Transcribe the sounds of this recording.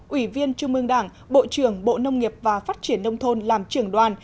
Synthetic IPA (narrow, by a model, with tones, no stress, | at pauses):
ʔwi˧˩vi˧ənt͡ɕʊ˧ŋ͡mʔɨ˧əŋɗaː˧˩ŋ | ɓo̰˧˨t͡ɕɨ˨˧˩əŋɓo̰˧˨nə˧wŋ͡mŋi˨˩əp̚vaː˨˩faː˦˥t̚t͡ɕi˧˩ənːə˧wŋ͡mt̪ʰo˧nlaː˨˩mt͡ɕɨ˨˧˩əŋɗwaː˨˩n